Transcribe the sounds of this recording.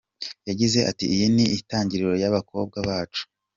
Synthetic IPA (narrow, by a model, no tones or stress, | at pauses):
jaɟize̞ʔa̰tḭijiniitaːɲɟiɾiɾo̞jaβako̞b̚ɡaβaːt͡ʃu̥